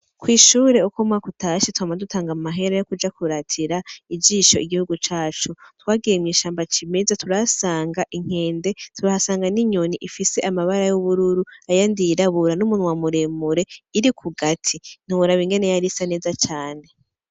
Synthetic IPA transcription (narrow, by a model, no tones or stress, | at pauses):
kwiːʃuːɾe̞ukomwakutaʃitwamadutʰaːŋɡamumaɦe̞ɾajo̞kud͡ʒakʰuɾatʰiɾaid͡ʒiːʃo̞ʔiɡihuɡut͡ʃaːt͡ʃutwaːɡijemwiːʃaːmbat͡ʃimezatʰuɾasaːŋɡaʔiŋ̥e̞ːnde̞tʰuɾahasaːŋɡaniɲoniʔifise̞ʔamaβaɾajuβuɾuɾuajandiɾaβuɾanumunwamuɾemuɾe̞iɾikʰuɡatʰin̥uβuɾaβiŋɡe̞ne̞jaɾisane̞ːzat͡ʃaːne̞